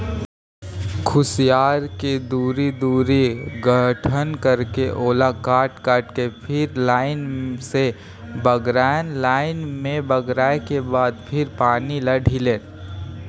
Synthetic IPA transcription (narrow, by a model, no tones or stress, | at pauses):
kʰʊsijaːɾked̪uːɾid̪uːɾiɡʱəʈʰənkəɾkeʔoːlakaːʈkaːʈkepʰɪɾlaːɪnse | bəɡɾanlaːɪnmẽbəɡɾaːekebaːd̪pʰɪɾpaːniləɖʱileː